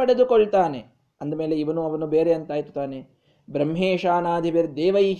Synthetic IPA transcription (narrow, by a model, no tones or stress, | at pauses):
ɐɽe̞d̪ukoɭt̪aːne | ɐnd̪ɐmeːleiʋɐnuɐʋɐnubeːɾeɐnt̪aːjt̪u̥t̪aːne | bɾɐmɦeːʂaːnaːd̪ʱiʋeɾd̪eːʋɐiː